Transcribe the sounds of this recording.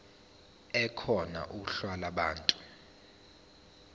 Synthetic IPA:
ɛkʰɔna̰ʔuuɬwalaɓaːntʼu̥

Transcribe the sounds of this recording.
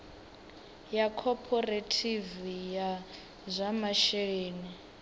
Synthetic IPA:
jakʰɔpʰɔretʰivija | zʷamaʃɛeːni

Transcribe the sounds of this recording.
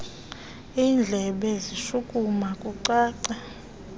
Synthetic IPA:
iːnd͡ɮʱɛɓɛziʃukʼumakʼuǀaːǀa

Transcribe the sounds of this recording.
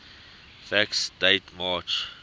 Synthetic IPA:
fæksdeɪtmɑːt͡ʃ

